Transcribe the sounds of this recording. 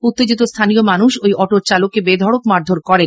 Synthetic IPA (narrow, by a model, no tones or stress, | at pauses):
ut̪ːed͡ʑit̪̬ost̪ʰanijomanuʃojɔʈot͡ɕalokːebed̪ʱɔɽokmaɾd̪ʱoɾkɔɾen